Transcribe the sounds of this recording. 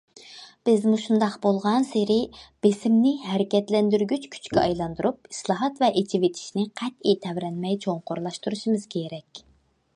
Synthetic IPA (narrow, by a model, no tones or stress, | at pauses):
b̥ɪzmuʃund̪ɑqbolˠʁɑnseɾɪb̥esɪmnɪɦæɾɪkʲɛt̪lɛnd̪yɾɡʲyt͡ʃkʲʰy̥t͡ʃkʲɛɑjlˠɑnd̪uɾup̚i̥slˠɑɦɑt̪vɛʔet͡ʃʰivet̪ʰi̥ʃnɪqʰæt̪it̪ʰɛvɾɛnmɛjt͡ʃʰoɴqʰoɾlˠɑʃt̪uɾuʃimɨz̥kʲʰeɾɛkʲ